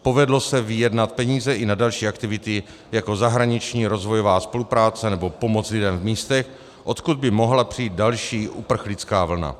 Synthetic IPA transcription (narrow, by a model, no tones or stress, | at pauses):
po̞vɛdlo̞sɛvɪjɛdnat̪̚pɛɲiːzɛʔɪnadalʃiːʔakt̪ɪvɪt̪ɪ | jako̞zaɦɾaɲɪt͡ʃɲiːɾo̞zvo̞jovaːspo̞lupɾaːt͡sɛnɛbo̞po̞mot͡slɪdɛmvmiːst̪ɛx | ʔo̞t̪kud̪̚bɪmo̞ɦlapr̥ijːt̪̚dalʃiːʔupr̩xlɪt͡skaːvl̩na̰